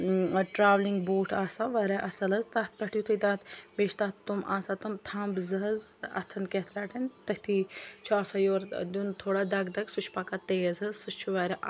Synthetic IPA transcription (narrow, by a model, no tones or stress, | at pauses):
ʈɾaːʋliŋɡboːʈʰaːsaʋɐɾeʔɐsɐlɐzt̪aːt̪̚ʰpɐʈʰjut̪ʰɐd̪aːt̪ʰbeːʃt̪aːt̪ːumʔaːsat̪ɐmt̪ʰaːmbzɐɦɐzɐ̰t̪ʰɐnket̪ʰlaːʈɐnt̪ɐkʲt̪ʰit͡ʃʰuaːsajoːɾd̪ʲunt̪ʰoːɽad̪ɐɡd̪ɐɡsut͡ʃʰpɐkat̪eːɐzɐzsɨst͡ʃʰuʋɐɾeʔ